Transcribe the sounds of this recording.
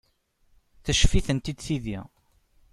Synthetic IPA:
θəʃfiθənt̪id̪θiðḭ

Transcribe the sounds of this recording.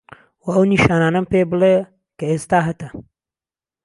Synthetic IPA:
wɐɐwniʃaːnaːnɐmpeːbɨle | kɐeːst̪aːɦɐt̪ɐ

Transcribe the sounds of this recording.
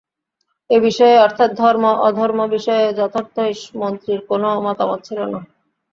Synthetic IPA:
ebiʃɔeɔɾt̪ʰat̪̚d̪ʱɔɾmoʔɔd̪ʱɔɾmobiʃɔed͡ʑɔt̪ʰoɾt̪oiʃmont̪ɾiɾkonomɔt̪amɔt̪̚t͡ɕʰilona

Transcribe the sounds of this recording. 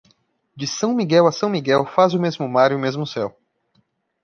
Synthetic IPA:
d͡ʒɪsɐ̃w̃miɡɛwɐsɐ̃w̃miɡɛwfazʊmezmʊmaɾʊmezmʊsɛw

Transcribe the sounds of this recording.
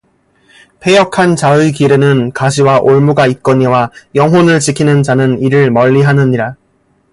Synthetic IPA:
pʰe̞jʌkʰant͡ɕaɯkiɾenɯnkaɕʰiwaʔoɭmuɡait̚k͈ʌɲiwajʌŋɦwonɯɭt͡ɕikʰinɯnd͡ʑanɯniɾɯɭmʌʎːiɦanɯɲiɾa

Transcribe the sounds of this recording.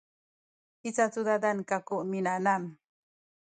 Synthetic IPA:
it͡sat͡sud̪ad̪ankakoʔminanam

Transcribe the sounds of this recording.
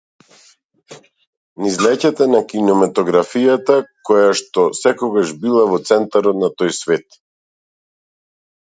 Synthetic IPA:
nizlɛcat̪ɛnakinɔmat̪ɔɡɾafijat̪akɔjaʃt̪ɔsɛkɔɡaʒbilˠavɔt̪sɛnt̪aɾɔt̪nat̪ɔjsvɛt̪

